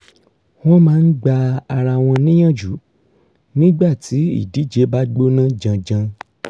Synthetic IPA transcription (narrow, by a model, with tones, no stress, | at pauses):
w̃ɔ̃˦mãː˨˦n̩˦ɡ͡ba˧a˧ɾa˧w̃ɔ̃˧nĩ˦j̃ã˦˨d͡ʒu˨˦ | nĩ˦ɡ͡ba˦˨tʰi˨˦ḭ˦˨di˨˦d͡ʒe˨˦ba˦ɡ͡bo˦nã˦d͡ʒã˧d͡ʒã˧